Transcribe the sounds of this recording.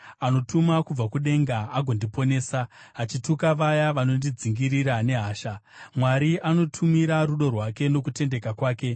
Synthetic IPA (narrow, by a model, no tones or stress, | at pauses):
ano̞tumakub͡vakuɗe̞ŋɡaːɡʱo̞ndipo̞ne̞ːsaɦat͡ʃitukaʋajaʋano̞ndid͡ziŋɡiɾiɾane̞ɦaːʃa | mwaɾiʔano̞tʰumiɾaɾuɗo̞rwake̞no̞kute̞nde̞kakwaːke̞